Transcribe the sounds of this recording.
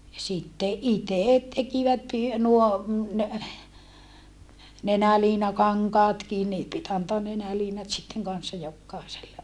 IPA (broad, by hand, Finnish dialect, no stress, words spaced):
jɑ sitːe ʔiteˑt tekiʋæt py nuo nenæliːnɑkɑŋkɑːtkin niː pit ɑntoɑn nenæliːnɑt sitːeŋ kɑnsːɑ jokːɑˑeselːe